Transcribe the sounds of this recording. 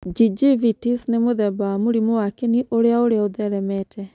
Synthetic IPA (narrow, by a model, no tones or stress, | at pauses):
d͡ʒid͡ʒivitisnemoðɛbaːmoɾimowakeniʔoɾeaoɾeaoðɛɾɛmɛtʰɛ